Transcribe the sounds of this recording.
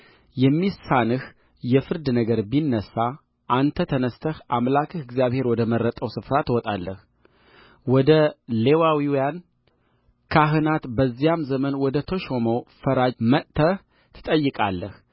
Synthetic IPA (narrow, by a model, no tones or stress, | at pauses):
jɛmːisanɨh | jɛfɨɾd̪nəɡəɾbinːəsːa | ʔant̪ʰət̪ʰənəst̪ʰəhʔamlakʰɨhɨɡzijaβhe̞ɾwɔd̪əməɾːət̪ʼəwsɨfɾat̪wɔt̪ʼalːə̰h | wɔd̪əle̞wawiwjan | kʰaɦɨnat̪bəzːijamzəmənwɔd̪ət̪ʰo̞ʃo̞mofəɾaməʔt̪ʰəh | t̪ʰɨ̥t̪ʼəjːɨkʼa̰lːəh